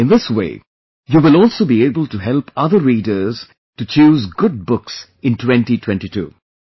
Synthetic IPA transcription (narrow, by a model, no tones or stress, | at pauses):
ɪ̃nðɪswḛː | juːʋɪlɔːlˠsoːbieːbəlʈuɦɛlpʌðəɾiːdəɾz̥ | tut͡ʃuːzɡʊd̚bʊks | ɪ̃ntwɛ̃nʈitʰw̥ɛ̃nʈitṵː